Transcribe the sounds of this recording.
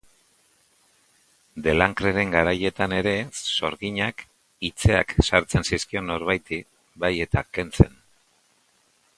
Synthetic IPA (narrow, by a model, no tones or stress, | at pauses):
d̪e̞laŋkɾeɾe̞ŋɡaɾaje̞t̪ane̞ɾe̞so̞ɾɣiɲak | it͡se̞a̰ksaɾt͡se̞nsiskio̞no̞ɾβajt̪i | baje̞t̪ake̞nt͡se̞̰n